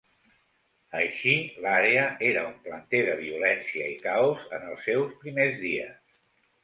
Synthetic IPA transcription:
əʃilaɾeəeɾəumplənt̪eðəβ̞iulɛnsiəikawzə̰nəlˠsːɛwspɾimezðiəs

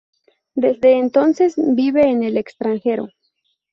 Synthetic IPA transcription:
d̪ezd̪e̞ːnt̪o̞nsesbiβe̞ːnelekst̪ɾaŋxe̞ɾo̰

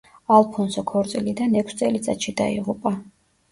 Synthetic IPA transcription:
alˠpʰɔnsɔkʰɔɾt̪sʼilid̪anɛkʷʰst̪sʼɛlit̪sʼa̰t̪ʃid̪a̰ḭʁupʼa

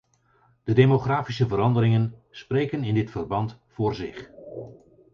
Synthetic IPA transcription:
d̥ədejmoχraːfisəvəɾɑndəɾɪŋənsprejkənɪndɪtfərbɑnt | fʊːrzɪχ

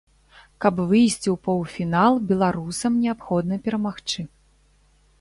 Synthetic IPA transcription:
kɐpvɨjsʲt͡sʲiwpɔwfʲinalˠbʲɛlˠaɾusɐmnʲɛapxɔd̪nɐpʲɛɾɐmaxt͡ʂɨ

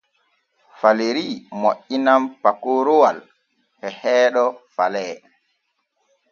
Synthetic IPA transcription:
faleɾimoʔːinampakoɾowal | ɓɛhɛːɗɔfalɛː

